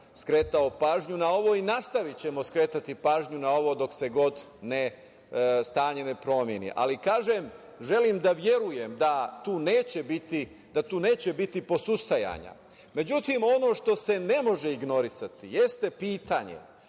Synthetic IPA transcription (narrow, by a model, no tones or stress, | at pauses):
skɾeːt̪ao̞paːʒɲunao̞ʋo̞inast̪aʋit͡ɕe̞mo̞skɾe̞ːt̪at̪ipaːʒɲunao̞ʋo̞d̪o̞kse̞ɡo̞d̪ne | st̪aːɲene̞pɾo̞mjenḭʔa̰likaːʒem | ʒe̞limd̪aʋje̞ɾuje̞md̪at̪uːne̞ːt͡ɕe̞bit̪i | d̪at̪uːne̞ːt͡ɕe̞bit̪ipo̞sust̪aja̰ɲa̰ | me̞d͡ʑut̪imo̞no̞ːʃt̪o̞se̞ne̞mo̞ʒe̞iɡno̞ɾisat̪ḭje̞st̪e̞piːt̪aɲḛ